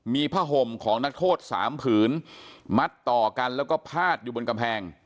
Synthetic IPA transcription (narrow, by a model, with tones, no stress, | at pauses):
miː˧pʰaː˥˩ɦo˧˩mkʰɔː˩˦ŋna˦˥k̚t̪ʰoː˥˩t̪̚sa̰ː˩˦mpʰɯː˩˦nma˦˥t̪ːɔː˨˩ka˧nlɛː˦˥wkɔː˥˩pʰaː˥˩t̪̚juː˨˩bo˧nka˧mpʰɛː˧ŋ